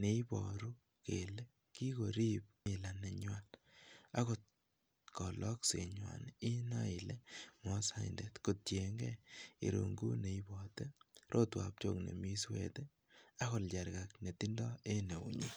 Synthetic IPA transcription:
ne˨i˦bɔ̰˨ɾu˦ | kḛ˨le˦ | ki˦ko˨ɾi˦p̚mɪ˨la˨ne˨ɲwan | a˦kɔ˨t̚ | kɔ˨lʔɔ˦kse˨ɲwa̰˨ni˦na˦ile˦mɔ˦sa˦i˨nde˨tko˨t̚t͡ʃje˨ŋɡɛ̰ḭ˨ɾṵŋɡṵ˦ne˨i˦bɔte˦ɾʔo˦twa̰˨p̚t͡ʃo̰˦˨knḛ˨mi˦swḛ˦te˦ | a˦ɣɔ˨ld͡ʒa˨ɾɡa˨kne˨ti˦ndɔ˦e˦ne˨ṵ˨ɲu˦

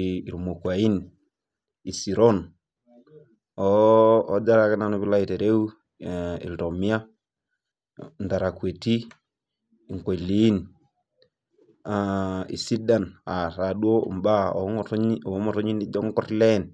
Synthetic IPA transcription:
i˨ɾu˨mo˨kwa˨i˦n | i˨si˨ɾɔ˦n | ɔː˨˦d͡ʒa˦ɾa˨ke˦na˨no˦βi˦la˦i˨te˨ɾe˦u˦ | ḭ˨to˨mi˦a˦ | nda˨ɾa˨kwe˨ti˦ | i˨ŋko˨li˦n | aḭ˨si˦da˨na˨ɾa˨ɗwo̰˦˨mba˦ɔ̰˨tɔ˨˦mɔ˨tɔ˦ɲi˦ni˦d͡ʒɔ˦ŋɡɔ˦ɾlɛ˦n

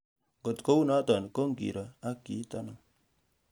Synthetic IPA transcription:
ŋɡo˨tko˦u˦nɔ˦tɔ˨nko˦ŋɡḭ˨ɾɔ˨a˦kːi˨˦tɔ˦nɔ˨ŋ

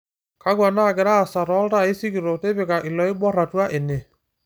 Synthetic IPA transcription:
ka˦ɣwa˨na˦˨ɡe˨ɾaː˦˨sa˨ɾɔ˦lɾa˦˨e˦si˦ɣi˨ɾo˨te˦βe˨ka˨ʔi˨lɔ˨i˦bɔ˦ɾa˨twa˦ʔe˨ne˨

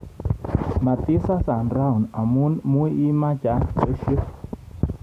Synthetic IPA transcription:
ma˨t̪i˦sa˦sa˨nɾa˦u˨na˨mu˦nmu˦i˦ʔi˦ma˦d͡ʒa˨˦sə˦ʃi˦

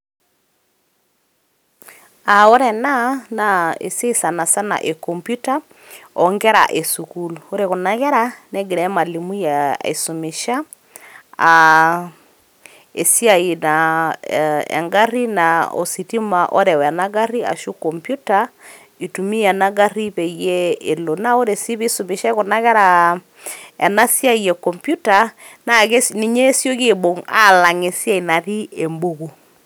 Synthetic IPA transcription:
a˨o˦ɾɛ˨na˦na˨ḛ˨se˦sa˨na˨sa˦na̰˨ʔe˨kɔ˨mpju˦ta˦ | ɔ˨ŋɡɛ˦ɾa̰˨ʔe˨su˨kulu˨o˦ɾe˨ɣo˨na˨ɣɛ˦ɾa˦nɛ˦ɡe˨ɾɛ˦ma˨li˨mu˦ja˨ḛ˨su˨me˨ʃa˦ | a | e˨si˦a˨i˨na | ɛ̰˨ŋɡa˦ri˦na˨o̰˨si˨ti˦ma˨ʔo˦ɾɛ˨wɛ˨na˦ɡa˦ri˦a̰˨ʃu˦kɔ˨mpju˦ta˦ | i˨tu˨mi˦a˨na˦ɡa˦ri˦pɛ˨jɛ˦e˨lo˨na˦o˦ɾe˨si˦βi˦su˨mi˨ʃa˦e˦ko˨na˦ɣɛ˦ɾa˨ | ɛ˨na˦sja˦˨jɛ˨kɔ˨mpju˦ta˨ | na˨ke˦sni˨ɲe˦sjo˦ɣe˦˨bo˨ŋa̰˦la˨ŋe˨sja˦i˨na˨ɾi˦e˨mbo˦ɣu˨

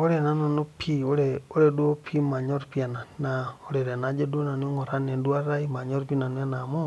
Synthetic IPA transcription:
o˦ɾe˨na˦na˨nu˦pʰi˦o˦leo˦ɾe˨do˦pʰi˦ma˨ɲo˦ɾpi˦a˨na˨nao˦le˨ɾe˨na˦d͡ʒe˦dwo˦na˨nwo˦ŋo˨ɾa˦ne˨ndwa˦ɾa˦i˦ma˨ɲo˦ɾpi˦na˨n˦a˦na˨mu˦

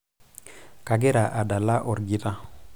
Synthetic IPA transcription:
ka˨ɡɛ˦ɾa˨ʔa˨da˨la˦ʔɔ˨ɾɡi˨ɾa˦

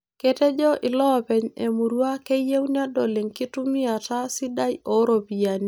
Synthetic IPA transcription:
ke˦tɛ˦d͡ʒɔ˦ʔɪ˨lɔ˦˨pɛ˨ɲe˨mu˨ɾwa˦ke˦je˦wnja˦dɔ˨le˨ŋki˦tu˦mi˦a˨ta˦si˦da˦jo˦ɾo˨pi˨ja˨ni˦

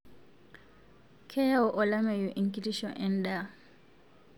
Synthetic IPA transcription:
kʰɛ˦ja˦ʊ˦ʔɔ˨la˦mɛ˨jʊ˨ʔi˦ŋ̩˦kʼi˦li˦ʃɔʔɛ˨n̩˦da˨

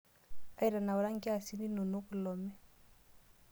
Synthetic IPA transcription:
a˦i˨ɾa˨na˨wɔ˨ɾa˦ŋɡi˦a˦˨si˦ni˦no˨no˦ku˨lɔ˨mɛ˦

